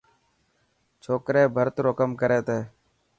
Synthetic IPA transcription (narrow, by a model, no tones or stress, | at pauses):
t͡ʃʰoːkɾeːbʱəɾt̪ɾoːkəmkəɾeːt̪eː